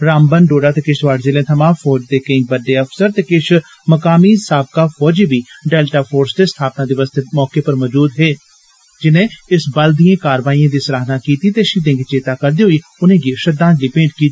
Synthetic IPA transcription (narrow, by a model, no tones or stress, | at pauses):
ɾaːmbənɖoːɖaːt̪eːkɪʃʋaːɖzeːlẽːt̪ʰəmãːmfʰɔːd͡ʒd̪eːkəĩːbəɖːeːəpʰsəɾt̪eːkɪʃ | məkaːmiːsaːb̚kaːfʰɔːd͡ʒiːbiːɖeːlʈaːpʰoːɾsd̪eːst̪ʰaːpnãːd̪ɪːʋəːst̪eːmɔːkeːpəɾməd͡ʒuːd̪ɦeː | d͡ʒɪnẽːɪsbəld̪ijãːkaːɾʋaːiːãːd̪iːsəɾaːɦnãːkiːt̪iːt̪eːʃiːd̪ẽːŋɡt͡ʃeːt̪aːkəɾd̪eːɦoiːʊnẽːɡeːʃəd̪ãːliːpẽːɳʈkiːt̪i